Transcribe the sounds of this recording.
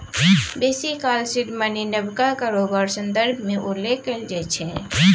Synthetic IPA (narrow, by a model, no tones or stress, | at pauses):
beːsikaːlsɪdmaninəbkakaɾoːbaːɾsə̃nd̪əɾbʱmẽʔʊlekːeld͡ʒɛːt͡ʃʰɛ̃ː